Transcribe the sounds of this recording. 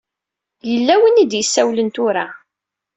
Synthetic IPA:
jəlːæwənid̪jəsːæwlənt̪ʊɾa

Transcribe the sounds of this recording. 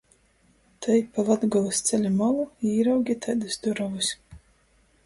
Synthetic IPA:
t̪ʰajpalˠad̪ɡɔlˠɨst̪sʲɛlʲimɔlˠuiːɾawɡʲit̪ʰajd̪ɨsd̪uɾɔvɨsʲ

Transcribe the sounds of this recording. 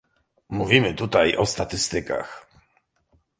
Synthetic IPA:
muvʲimɘt̪ut̪ajʔɔst̪at̪ɘst̪ɘka̰x

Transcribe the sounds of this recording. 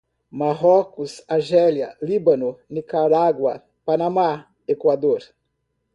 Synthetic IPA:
maɦɔkʊsaʒɛljɐ̰libɐnʊnikaɾaɡwɐ | panãma | ekwad̪oɾ

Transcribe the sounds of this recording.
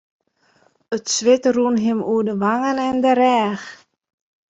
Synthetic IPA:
ətsʋɪtruənɦɪmuədəʋaŋənɛndəɾɛːx

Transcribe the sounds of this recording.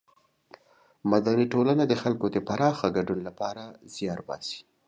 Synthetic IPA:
mad̪aniʈolanad̪əxalkod̪əpaɾɑxaɡaɖunlapɑɾaz̥jɑɾbɑ̰si̥

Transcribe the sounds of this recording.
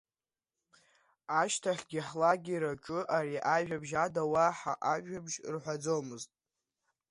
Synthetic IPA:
aʃtʰaχʲɡʲiħlaɡʲiɾat͡ʃʷʼʊʔaɾiʔaʒᶣabʒadawaħaʔaʒᶣabʒrħʷad͡zowmɨztʼ

